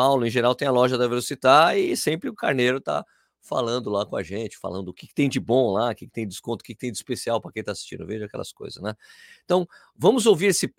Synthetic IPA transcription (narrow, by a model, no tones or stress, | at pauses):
awlʊẽʒeɾawt̪ẽj̃alɔʒɐd̪ɐvelosit̪aɪsẽpɾɪʊka̰ɾneɾʊt̪a̰ | fa̰lɐ̃nd̪ʊlakõa̰ʒẽnt͡ʃɪ̥fa̰lɐ̃d̪ʊʊkɪ̥kɪ̥t̪ẽj̃d͡ʒɪbõlakɪkɪ̥t̪ẽj̃d͡ʒɪskõnt̪ʊ̥kɪkɪt̪ẽj̃d͡ʒɪispesiawpɾɐkẽj̃t̪asi̥ʃt͡ʃḭ̃nd̪ʊ̰veʒʊakɛ̰lɐ̰sko̰jzɐ̰snɛ̃t̪ɐ̃w̃ | vɐ̃mʊzowviɾesɪ